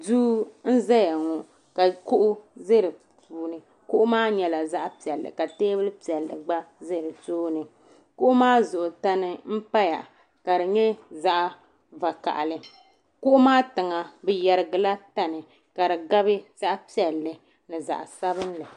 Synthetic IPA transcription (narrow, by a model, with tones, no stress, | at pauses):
duː˦n̩˦za˦ja˨ŋɔ˨ | ka˨kʊ˦ʔʊ˦zɪ˦ɾɨ˨ | puː˨nɨ˨ | kʊ˦ʔʊ˦maː˦ɲɛ˨la˨za˦ʔpi˨ɛ˨lːɨ̰˨ka˨teː˦bɨ˦lpi˨ɛ˨lːɨ̰˨ɡ͡ba˦zɪ˦hɾɨ˨toː˦nɨ˨ | kʊ˦ʔʊ˦maː˦zʊ˨ʔʊ˨ta˦nɨ˦m̩˦pa˦ja̰˨ | ka˨dɨ˨ɲɛ˦za˦ʔa˨ | va˨ka̰˨ʔa̰˨lɨ˨ | kʊ˦ʔʊ˦maː˦tɨ˨ŋa˨bɨ˨jɛ˨ɾɪ˨ɡɨ˨la˦ta˦nɨ˨ | ka˨ɾɨ˨ɡa˦bɨ˦z̥a˦ʔpi˦ɛ˨lːɨ˨ | nɨ˨za̰˨ʔa̰˨sa˦bɨ˦n˦la˨